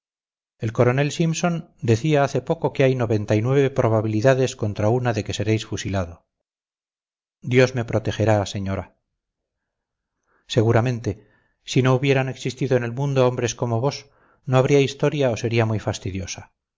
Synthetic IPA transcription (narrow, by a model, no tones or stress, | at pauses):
e̞lko̞ɾo̞ne̞lsimso̞nd̪eθiaaθe̞po̞ko̞keajno̞βent̪ajnwe̞βe̞pɾo̞β̞aβ̞iliðaðe̞sko̞nt̪ɾaunaðe̞ke̞se̞ɾe̞jsfusilaðo̞ | d̪jo̞zme̞pɾo̞t̪e̞xe̞ɾaːse̞ɲo̞ɾa | se̞ɣ̞uɾamẽ̞nt̪e̞ | sino̞uβje̞ɾane̞ksist̪iðo̞enelmũnd̪oombɾe̞sko̞mo̞β̞o̞s | no̞aβ̞ɾiaist̪o̞ɾjao̞se̞ɾiamujfast̪iðjo̞sa